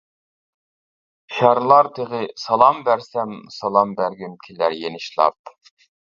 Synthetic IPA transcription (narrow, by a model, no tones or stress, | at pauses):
ʃɑɾlˠɑɾt̪ʰeʁɪsɑlˠɑmbæɾsɛmsɑlˠɑmbæɾɡʲimkʲʰilæɾjenɪʃlˠɑ̰p̚